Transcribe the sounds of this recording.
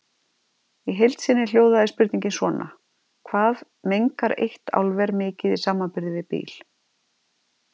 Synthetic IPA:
iɦejlt̪sɪnːɪl̥joːwðaðɪspɪɾt̪niɲcɪnsvɔːnʔa̰ | kʰvaːð | mejŋkaɾḛjht̪a̰wlvɛɾmɪːcɪðisaːmanpɪɾðɪvɪpḭːl̥

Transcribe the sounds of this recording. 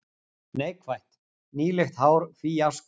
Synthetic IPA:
neːjkʰvajht̪ | niːlext̪haːwɾfijask

